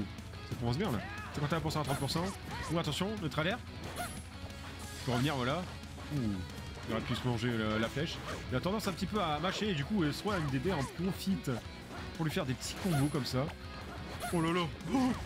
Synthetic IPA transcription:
sakɔ̃vɑ̃s̬bjɛ̃la̰sekɑ̃t̪yap̬uʁsɑ̃at̪χɑ̃t̪puʁsɑ̃ | ũat̪ɑ̃sjɔ̃nɔt̪χalɛʁ | y̥pøʁəvniʁvwala | u | jɔʁɛplysmɑ̃ʒeølaflɛʃiat̪ɑ̃d̪ɑ̃sɛ̃pət̪ipøamaʃeːd̪ykuɛsʁoand̪ed̪eɑ̃kɔ̃fit̪ | puʁlɥifɛʁd̪epət̪ʰi̥kɔ̃bokɔmsa | olala

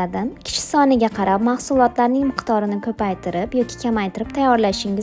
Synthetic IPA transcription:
ad̪ɪmkʲʰɪ̥ʃɪ̥sɒnɪɡʲaqʰɑɾapmahsʊlˠɒt̪laɾnɪŋmɨqt̪ʰɒɾɪnɪkʰɵpajt̪ʰɪɾɪpjɒkʲʰɪ̥kʲʰamajt̪ʰɪɾɪp̚t̪ʰajːɒɾlaʃɪŋɪz

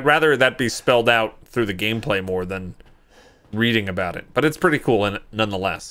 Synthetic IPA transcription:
d̚ɹæðə˞ðɨt̚b̥ispɛlˠdaʊt̪̚θɹʉðɨɡẽɪ̃mpʰl̥eɪmɔɹðɨ̃n | ɹiɾɪ̃ŋɨbaʊɾɨ̰t̚b̥ʌɾɨtspʰɹ̥ɪɾikʰulˠə̃nnʌ̃nðəlɛ̰s

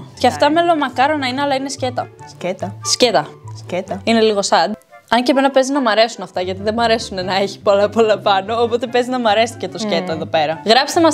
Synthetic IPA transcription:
ceɐft̪ɐmelo̞mɐkɐɾo̞nɐineɐlɐine̞sce̞t̪ɐscet̪ɐscet̪ɐscet̪ɐine̞liɣo̞sɐd̪ | ɐɲceme̞nɐpe̞ziznɐmɐɾe̞sunɐft̪ɐʝɐt̪iðe̞mɐɾe̞sunenɐeçi̥polɐpolɐpɐno̞ːpo̞t̪epeziznɐmɐɾe̞st̪i̥ce̞t̪osce̞t̪ɐeðo̞pe̞ɾɐɣɾɐpst̪emɐs

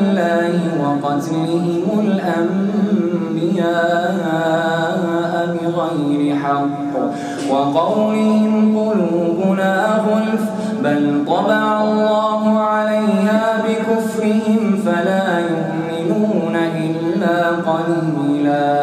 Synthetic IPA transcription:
lːaːhɪwɑqɑt̪lɪɦɪmʊlʔam | bɪjaː | aː | ʔabɪɣajɾɪħɑqː | wɑqɑwlɪhɪmqʊluːbʊnaːɣʊl | balt̪ˤɑdɑʕɑlˤːɑːɦʊʕalajnaːbɪkʊfɾɪhɪmfalaːjʊʔmɪnuːnaʔɪlːaːqɑlbɪlaː

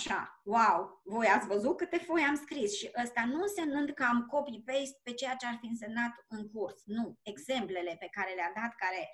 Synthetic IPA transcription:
aʃa̰wawvo̞jat̪sʲvəzut̪̚kɨt̪e̞fo̞jamskɾisʃiʔəst̪anunse̞mnɨnd̪kəamko̞pipest̪̚pe̞t͡ʃe̞jat͡ʃe̞arfiɨnse̞mnat̪ɨŋkursnue̞ɡze̞mple̞le̞pe̞kaɾe̞lead̪at̪kaɾe̞

